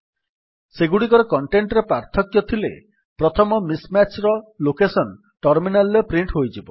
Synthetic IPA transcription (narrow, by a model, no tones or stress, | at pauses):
seɡuɽik̬ɔɾɔkɔɳʈeɳʈɾepɾaɾt̪ʰɔkjɔt̪ʰilḛ | pɾɔt̪ʰɔmɔmismat͡ʃɾɔlokesɔn | ʈɔɾminalːepɾiɳʈɦojd͡ʒibɔ